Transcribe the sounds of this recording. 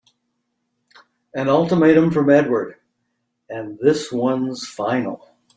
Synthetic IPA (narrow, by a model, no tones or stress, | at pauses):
ɨ̃nʌlˠtəmeɪɾɨ̃ɱfɹʌ̃mɛd̚wə˞ɾ | ɨ̃nðɪswʌ̃nz̥fãɪ̃nl̩ˠ